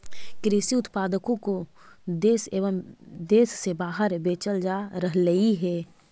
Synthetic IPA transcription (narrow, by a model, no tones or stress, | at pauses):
kɾisiʊt̪paːd̪əkõko | d̪eːseːʋəmd̪eːsːebaːɦəɾbeːt͡ʃəld͡ʒaɾəɦləiɦɛː